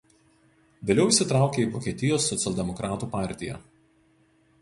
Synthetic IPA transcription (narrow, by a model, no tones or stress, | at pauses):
ʋʲeːlʲɛʊɪʃsʲɪt̪ɾɑˑʊkʲeiːˑʋɔːkʲeːt̪ʲɪjoːsːɔt̪sʲɛlʲˠd̪ʲɛmɔkɾʔɑːt̪uːpɑˑɾʲt̪ʲɪjɛ̰